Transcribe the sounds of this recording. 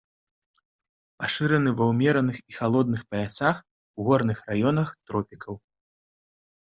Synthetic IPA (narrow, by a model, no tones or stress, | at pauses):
paʂɨɾɐnɨvɐwmʲɛɾɐnɨxixalˠɔd̪̚nɨxpɐasax | wɣɔɾn̪ɨxrajɔnɐxt̪ɾɔpʲikʰɐw